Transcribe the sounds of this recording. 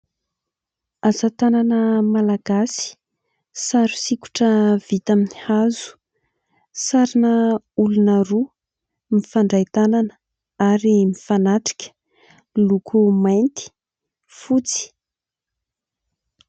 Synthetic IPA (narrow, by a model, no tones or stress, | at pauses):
azat̪ananəmalaɡ̥asi̥ | saɾu̥siku̥ʈ͡ʂəv̥it̪aminihazu̥ | saɾinə | ulunəɾu | mifaɳɖ͡ʐajt̪ananə̥ | aɾimifanaʈ͡ʂi̥kʲə̥ | lukʰumajnt̪i̥ | fut͡si̥